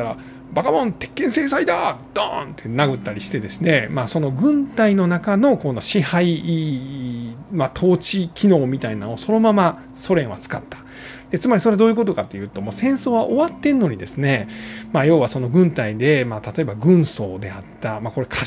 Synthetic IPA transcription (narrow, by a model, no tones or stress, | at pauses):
t̪aɾa | bakabõnt̪e̞̥kːẽ̞ɰ̃se̞ːsaid̪ad̪̥a̰nt̪enaɡɯ̟t̪ːaɾʲiɕi̥t̪e̞d̪e̞sɨne̞maːso̞no̞ɡɯ̟̃nt̪aino̞nakano̞kono̞ɕihai | mat̪ʰo̞ːt͡ɕikʲʰino̞ːmʲit̪ainanoso̞no̞mama | so̞ɾẽ̞ɰ̃βat͡sɨ̥ka̰t̪ːḁ | d̪̥e̞t͡sɨmaɾʲiso̞ɾe̞d̪oːjɯ̟ko̞t̪̬o̞kat̪ːe̞jɯ̟ːt̪o̞masẽ̞ɰ̃so̞ːβaʔo̞βat̪ːe̞nnːo̞ɲ̟id̪e̞̰sɨne̞majo̞ːβaso̞no̞ɡɯ̟̃nt̪aid̪e̞maːt̪at̪o̞e̞baɡɯ̟̃ɰ̃so̞ːd̪e̞at̪ːamako̞ɾe̞kʰa